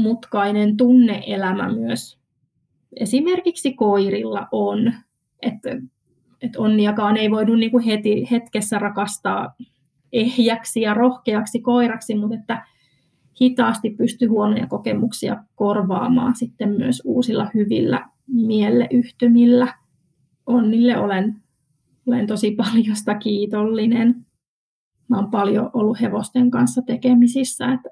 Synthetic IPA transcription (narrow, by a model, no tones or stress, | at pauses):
mut̪kɑinent̪unːeʔelæmæ̰myøs | esimerkiksikoirilːɑ̰ʔon | et̪ | et̪onːiɑkɑːneiʋoinunniːŋkuhet̪ihet̪kesːærɑkɑst̪ɑː | ʔehjæksijɑrohkeɑksikoirɑksimut̪et̪ːæ | hit̪ɑːst̪ippyst̪yhuonojɑ̰kokemuksiɑ̰korʋɑ̰ːmɑ̰ːnsit̪ːemmyøsṵːsilːɑhyʋḭlːæ̰ | mielːḛʔyht̪ymilːæ | onːilːeʔolen | olent̪osipɑljost̪ɑkiːt̪olːinen | mæompɑljo̰ʔolːuheʋost̪eŋkɑnsːɑt̪ekemisisːæ̰et̪